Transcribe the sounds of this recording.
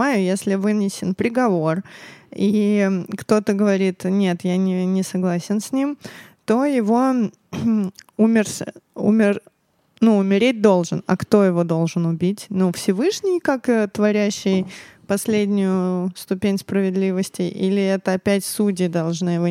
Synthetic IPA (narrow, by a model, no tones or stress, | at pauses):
ajʊjesʲlʲɪvɨnʲɪsʲɪnpɾʲɪɡɐvo̞rikt̪o̞t̪əɡəvɐɾʲit̪nʲet̪janʲɪnʲɪsɐɡlˠasʲɪnsʲnʲimt̪o̞jɪvo̞ | umʲɪrsṵmʲɪr | nuʊmʲɪɾʲet̚ʲd̪o̞lˠʐɨnɐ̰kt̪o̞jɪvo̞d̪o̞lˠʐɨnʊbʲitʲnufsʲɪvɨʂnʲɪjkakət̪vɐɾʲæɕːɪjpɐsʲlʲedʲnʲʊjʊst̪ʊpʲenʲspɾəvʲɪd̪lʲivəsʲtʲɪʔilʲɪɛt̪əɐpʲætʲsutʲɪd̪ɐlˠʐnɨjɪv